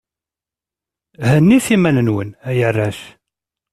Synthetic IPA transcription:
ɦənːiθimænənwənæjərːæʃ

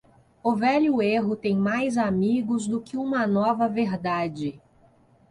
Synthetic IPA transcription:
ʊvɛʎʊeɦʊt̪ẽj̃majzamiɡʊzd̪ʊkɪũmɐnɔvɐveɾd̪ad͡ʒɪ

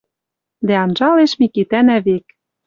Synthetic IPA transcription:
d̪æɑnʒɑleʃmikit̪ænæβek

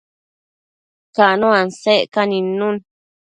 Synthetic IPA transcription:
kaʔnõanseʔkanĩnũn

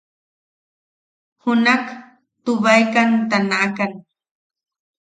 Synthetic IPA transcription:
hʊnak | t̪ʊβajkant̪anaʔakan

